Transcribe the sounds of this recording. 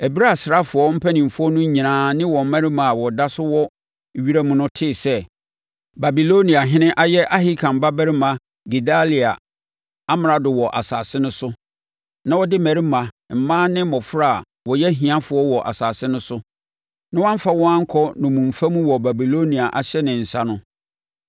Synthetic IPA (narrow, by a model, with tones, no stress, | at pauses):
ɛ˨bi˦ɾa˦˨sɾa˦fʊ˨ɔ˦m̩˦pʰɛ˦nĩ˨m̩˨fʊ˦ɔ˦nʊ̃˦ɲĩ˨nãː˨˦nɪ̃˦wɔ̃˨m˦mæ˦ɾi˦mã˨a˨wɔ˨da˦sʊ˦wɔ˦˨ | ɥi˦ɾa˦mũ˦nʊ̃˦tʰɪː˦˨sɛ˦ | ba˨bi˨lo˦nĩ˨a˨ɦɪ̃˦nɪ̃˦ʔa˦jɛ˦ʔa˦ɦi˦kʰã˨m̩˨ba˦bɛ˦ɾɪ˦mã˨ | ɡi˨da˦li˨a˨ | a˦m˨ɾa˨dʊ˨wɔ˨ʔa˨saː˨sɪ˦nʊ̃˦sʊ˦ | nã˦wɔ˦dɪ˦mɛ˨ɾi˦mã˨ | m̩˨mãː˦nɪ̃˦mɔ˨fɾa˦˨ | wɔ˨jɛ˦ɦĩ˨ã˦fʊ˨˦ɔ˦wɔ˨ʔa̰˨saː˨sɪ˦nʊ̃˦sʊ˦ | nã˦wã˦m̩˦fa˦wɔ̃˦ã˦ŋ̩˦kʰɔ˦nʊ̃˨mũ˨m̩˨fa˦mũ˦wɔ˨ba˨bi˨lo˦nĩ˨a˨ʔa˨ɕɛ˦nɪ̃˨n̩˨sa˦nʊ̃˦